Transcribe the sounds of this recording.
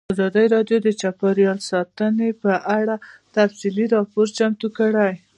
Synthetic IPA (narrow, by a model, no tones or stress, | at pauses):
ɑzɑd̪əjɾɑdjod̪ət͡ʃapaɾjɑlsɑt̪ənepəʔaɽat̪afsiliɾɑpoɾt͡ʃamt̪ukəɽaj